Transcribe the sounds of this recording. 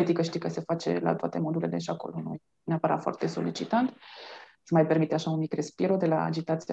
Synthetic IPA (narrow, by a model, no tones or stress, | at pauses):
et̪ikəʃt̪ijkəse̞fat͡ʃe̞̰la̰t̪oat̪e̞mod̪uleleʃiako̞̰lonṵj | neapəɾa̰t̪foa̰rt̪e̞so̞lit͡ʃit̪ant̪ | səmajpe̞rmit̪eaʃaunmikre̞spiɾod̪e̞la̰a̰d͡ʒit̪at̪sia